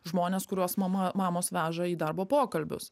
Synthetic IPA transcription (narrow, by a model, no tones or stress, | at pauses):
ʒmoːnʲeːskʊɾʲuɔsmɐmɐmɑːmoːsʋʲæːʒɐiːd̪ɐɾboːpoːkɐlʲbʲʊ̰s